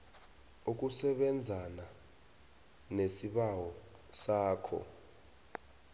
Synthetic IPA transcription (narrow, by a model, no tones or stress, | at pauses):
uk̬ʼusɛɓɛnd͡zʱana | nesiɓawɔ | saːkʰɔ̰